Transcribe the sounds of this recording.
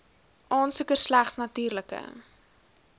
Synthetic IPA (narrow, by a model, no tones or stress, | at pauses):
ʔɑːnsukərslæχsnɐtyːrləkə̰